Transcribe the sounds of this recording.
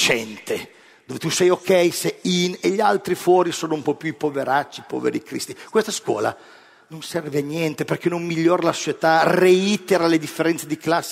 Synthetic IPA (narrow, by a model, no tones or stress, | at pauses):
t͡ʃɛnt̪e | d̪oːvet̪usɛjokɛjsɛineʎialt̪ɾifwɔːɾisoːnoumpɔpjuipoveɾat͡ʃːipɔ̰vḛɾḭkɾḭst̪ikwest̪askwɔ̰ːla̰ | nonsɛrveaɲːjɛnt̪eperkenːomːiʎːoːɾalaso̥t͡ʃet̪areit̪eɾaled̪ifːeɾɛnt̪sed̪iklasːe